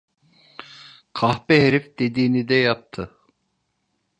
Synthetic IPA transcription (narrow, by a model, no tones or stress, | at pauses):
kʰɑhpɛɦeɾifd̪ed̪iːnid̪ɛjɑp̚t̪ʰɯ